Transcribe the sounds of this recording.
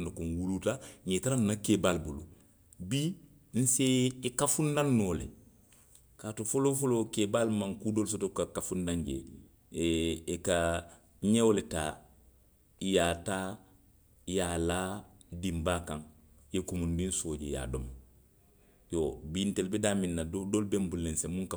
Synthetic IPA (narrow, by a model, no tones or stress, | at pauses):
nokonwulutaɲetaɾanːakeːbalbulṵ | bi | n̩seːkafundanːoːlḛ | kaːtufolofolokeːbalmãŋkudols̬otokakafundãɲɟḛ | ka | ɲewoletaː | jaːtaː | jaːlaːdimbaːkãŋ | jekumundĩnsoːɟeja̰ːdom | jobintelbedaːminːadodolbembulːensemũŋka